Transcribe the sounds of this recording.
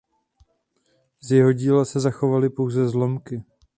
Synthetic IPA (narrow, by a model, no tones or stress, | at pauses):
zjɛɦo̞ɟiːlasɛzaxo̞valɪpo̞wzɛzlo̞mkɪ